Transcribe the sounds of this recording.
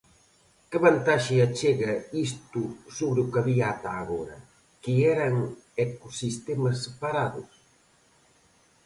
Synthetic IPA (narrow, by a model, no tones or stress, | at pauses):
kɪβant̪aʃeat͡ʃeɣɐis̬t̪usoβɾɪukaβiat̪aːɣoɾɐ̰ | kɪɛɾɐŋekosist̪emɐs̬ːepaɾaðʊ̰s